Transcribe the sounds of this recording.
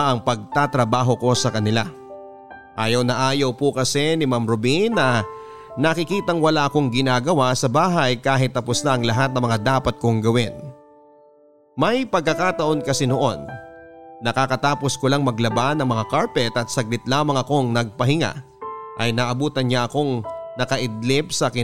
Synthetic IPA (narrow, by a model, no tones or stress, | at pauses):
ʔɐŋpɐɡ̚t̪at̪ɾɐbaːɦo̞ko̞sɐkɐnɪla | ʔaːjɐwnɐʔaːjɐwpʊkɐsɛnɪmamɾobinːɐ | nɐkɪkiːt̪ɐŋwɐlaʔɐko̞ŋɡɪnaːɡɐwasɐbaːɦɐjkaːɦɪt̪ːɐposnaʔɐŋlɐɦat̪̚nɐŋmɐŋad̪aːpɐt̪̚koŋɡɐwɪn | mɐjpɐɡ̚kːɐkaːt̪ɐʔo̞nkɐsɛnoʔo̞nː | ɐkakɐt̪aːpo̞skolaŋmɐɡlɐbanɐŋmɐŋakaɹpɛt̪ɐt̪sɐɡ̚lɪt̪laːmɐŋɐko̞ŋnɐɡ̚pɐhɪŋa̰ | ʔɐjnɐʔɐbuːt̪ɐnɲaʔɐko̞ŋnɐkɐʔɪd̪̚lɪp̚sɐkɪ